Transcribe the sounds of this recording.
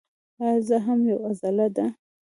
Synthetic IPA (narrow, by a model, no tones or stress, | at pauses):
azaɦamjawazalad̪a